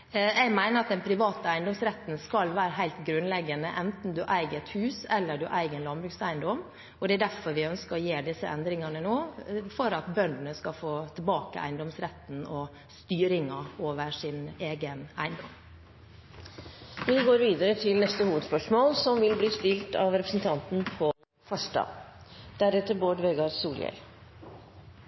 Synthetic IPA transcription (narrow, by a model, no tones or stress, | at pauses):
jɛɡmæɪnəɾɑt̪̚d̪ɛnpʰɾɪʋɑːt̪əæɪnd̪ɔmsɾɛt̪n̩skɑlʋæːɾəɦæɪlt̪ɡɾʉnlɛɡːənəʔɛnt̪n̩d̪ʉʔæɪɡəɛt̪hʉːsɛlːəɖʉʔæɪɡənlɑnbɾʉːksæɪnd̪ɔm | ʔɔd̪ɛæɖ̪æɾfɔɾʋɪœnskəɾɔjeːɖɪsəʔɛ̰nd̪ɾɪŋɑnənoːfɔɾɑt̪bœnd̪n̩əskɑfoːt̪ʰɪlbɑːkə̰ʔæ̰ɪnd̪ɔmsɾɛt̪n̩ɔ | st̪yːɾɪŋɑoːʋəʂɪneːɡənæɪnd̪ɔ̰m | ʋɪɡoːɾʋiːd̪əɾət̪ʰɪlnɛst̪əhuːʋəd̪spœʂmoːlsɔmʋɪlbliːst̪ɪlt̪ʰɑʋɾɛpɾəsən̩t̪ʰɑnt̪n̩pʰɔ | fœʂʈɑ̰d̪æɾɛt̪ːəɾboːɖʋɛːɡɑɾsuːljɛ̰l